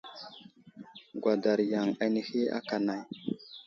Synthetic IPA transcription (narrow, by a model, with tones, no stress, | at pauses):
ɡwa˨da˨ɾja˨ŋa˨ni˨hi˦a̰˦ka˨na˨j